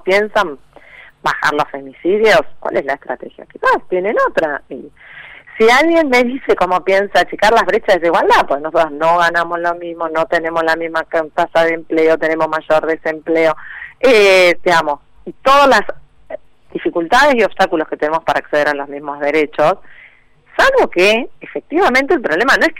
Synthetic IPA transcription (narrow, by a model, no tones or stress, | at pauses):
pjensam | baxa̰ɾlosfe̞misiðjo̞skwa̰lʔezlaest̪ɾa̰t̪exja̰kepast̪jenenot̪ɾaisialɣje̞nmeðise̞komo̞pje̞nsat͡ʃikaɾlaβɾe̞t͡ʃazðes̬iɣwald̪apokenos̬ot̪ɾoznoɣanamozlo̞mizmonot̪e̞ne̞moslamizmakt̪asaðempleot̪e̞ne̞mozmaʒo̞ɾðese̞mpleo̞ed̪iɣamo̞s | it̪oðalas | d̪ifikult̪að̞esio̞βst̪akulosket̪enemo̞spaɾaːkseð̞eɾalo̞zmizmo̞zðe̞ɾe̞t͡ʃo̞sː | alβo̞keːfek̚t̪iβamẽnt̪̬elpɾo̞βle̞manõeh